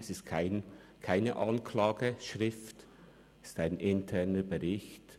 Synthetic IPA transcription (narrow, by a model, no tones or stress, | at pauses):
sɪstkʰaɪnkʰaɪnə̰ʔɑnkʰlaːɡəʃʁɪft | staɪnʔɪntʰɛʁnəbəʁɪçt